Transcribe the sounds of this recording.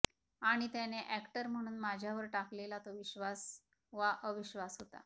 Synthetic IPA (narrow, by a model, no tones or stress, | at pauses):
aɽ̃it̪janeʔækʈəɾm̤əɽ̃uːnmad͡ʑʱjaʋəɾʈaklelat̪ɔʋiɕʋas | ʋaʔəʋiɕʋasɦot̪a̰